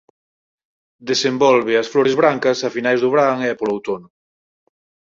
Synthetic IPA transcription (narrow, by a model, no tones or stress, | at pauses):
d̪esembɔlβɪɐsfloɾezβɾaŋkɐsafinajzðʊβ̞ɾaŋɛpolowt̪onʊ